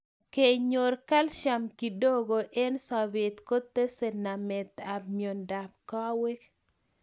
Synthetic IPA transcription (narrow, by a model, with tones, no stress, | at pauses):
ke˨ɲo˨ɾka˦lʃa˨mki˨do˦ɡo˨ʔe˦nsa˨bɪ˨t̪ko˦t̪ːe˦se˨na˨mɛ˨t̪a˨bmjo˨nda˨p̚kɔ˦we˦k